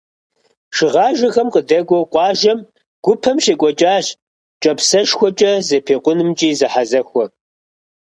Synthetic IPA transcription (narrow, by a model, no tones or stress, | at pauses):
ʂɨʁɑːʒɐxɐmqʼədɐɡʷɔqʷʼɑːʒɐm | ɡ̥ʷʊpʰɐmʃeːkʷʼɔt͡ʃʼaːɕ | t͡ʃʼɐpsɐʃxʷɔt͡ʃʼɐzɐpʰeːqʷʊnɨmt͡ʃʼiːzɨħazɐxʷɔ